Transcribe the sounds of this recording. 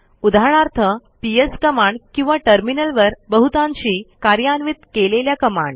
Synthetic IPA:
ud̪ʱaɽ̃aɾt̪ʰəpieskəmaɳɖkĩw̃ʋaʈəɾminəlʋəɾbəɦut̪ãɲt͡ɕiːkaɾjanʋit̪keleljakəma̰ɳɖ

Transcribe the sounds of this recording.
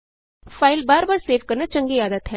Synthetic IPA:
pʰaːɪlbaːɾbaːɾseːʋkəɾnat͡ʃə̃ŋɡiaːd̪ət̪ɦɛ

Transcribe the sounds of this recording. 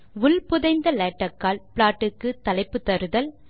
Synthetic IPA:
ʋʊlpʊðɐɪnd̪ɐleːʈːɐkːaːlpɪɭaːʈːɯkːɯt̪ːɐlɐɪpːɯt̪ːɐɾɯðɐl

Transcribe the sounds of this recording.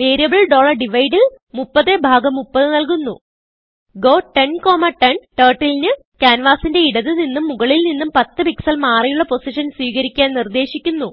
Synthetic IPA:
ʋeːɾijɐbɐɭɖo̞ːɭɐrɖiʋɐjɖɨ | mupːɐðebʱaːɡɐmupːɐðɨnɐlkunːu | ɡo̞ːʈenko̞ːmɐʈenʈeːʈːilinɨ | kaːnʋaːsinde̞iɽɐðɨninːumːuɣɐɭilninːumpɐt̪ːɨpiksɐlmaːrijuɭːɐpo̞siʂɐnswiːɣɐɾikʲːaːnnird̪e̞ːɕikʲːunːu

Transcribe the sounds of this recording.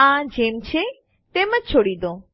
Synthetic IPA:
ãd͡ʒemt͡ʃʰe | t̪eməd͡ʒt͡ʃʰoɽid̪õ

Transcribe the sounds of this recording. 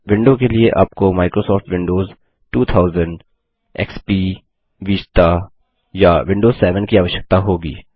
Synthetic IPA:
ʋɪ̃ɳɖõkelieʔa̰ːpkomaːɪkɾosɔːfʈʋɪ̃ɳɖoːz | ʈuːt̪ʰaːʊzə̃ɳɖ | ɛ̰ːkspiː | ʋiːst̪a | jaʋɪ̃ɳɖoːzsɛːʋənkiaːʋəʃjə̥k̚t̪aɦoːɡḭː

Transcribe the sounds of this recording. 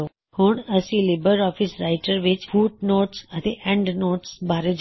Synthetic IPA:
o | huɳəsilebəɾɔfisɾaɪʈəɾʋɪt͡ʃfuːʈ̚noːʈsət̪ʰeɛ̃ɳɖnoːʈsbʱaɾed͡ʒ

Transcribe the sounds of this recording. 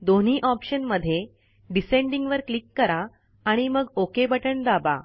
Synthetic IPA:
d̪on̤iːʔɔpɕənməd̪ʱːje | ɖiseɳɖiŋɡʋəɾklikːəɾaː | ɽ̃iməɡokebəʈəɳd̪aba̰

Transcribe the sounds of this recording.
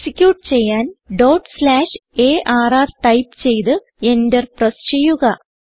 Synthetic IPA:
sikʲːjuːʈːt͡ɕe̞jːaːnɖowʈslaːʂe̞ːʔaːraːrʈɐjpt͡ɕe̞jt̪ɨ | endɐrprɐst͡ɕejuɣɐ

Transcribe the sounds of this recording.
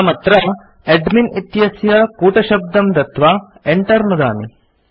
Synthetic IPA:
mɐt̪ɾɐ | eɖminit̪jɐsjɐkuːʈɐʃɐb̚d̪ɐmd̪ɐt̪ʋa | eɳʈɐɾnud̪a̰ːni

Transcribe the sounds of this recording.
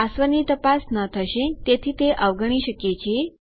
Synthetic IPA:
asʋənit̪əpasnət̪ʰəʃet̪et̪ʰiːt̪eʔəʋɡəɳ̃iʃəket͡ɕʰe

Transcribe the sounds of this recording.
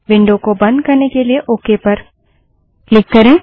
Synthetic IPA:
ʋɪ̃ɳɖõkobɐ̃nd̪̚kɐɾnekelieʔoːkepɐɾ | klɪkːɐɾẽː

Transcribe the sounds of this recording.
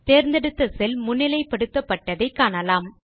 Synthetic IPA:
t̪eːɾnd̪ɛɽɯt̪ːɐsɛlmʊnːɪlɐɪpːɐɽɯt̪ːɐpːɐʈːɐðɐɪkːaːɳɐlaːm

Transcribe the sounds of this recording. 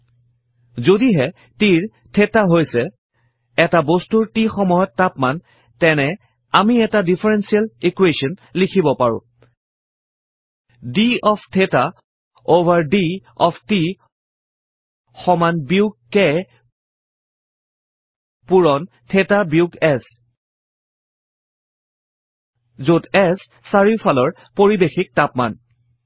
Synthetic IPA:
zodiɦɛ | tiɹ | tʰetaɦojsɛ | ɛtabostuɹtixɔmɔjɔtːapman | tɛnɛ | amiɛtadipʰaɹɛnsialikwesɔnlikʰibɔpaɹʊ̰̃ | diɔpʰtʰeta | ovʱaɹdiɔpʰti | xɔmanbiʊɡ̚ke | puɹɔn | tʰɛtabiʊɡɛs | zotɛs | saɹipʰalɔɹ | poɹibexik̚tapma̰n

